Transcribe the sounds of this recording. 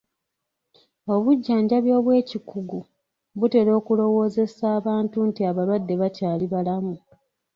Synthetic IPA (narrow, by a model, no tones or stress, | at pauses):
o̞βuɟːaːɲɟaβjo̞ːβwe̞ːcikuɡu | βute̞ːɾo̞ːkulo̞wo̞ːze̞saːβaːntuntiaβalwadːe̞βataːliβalamu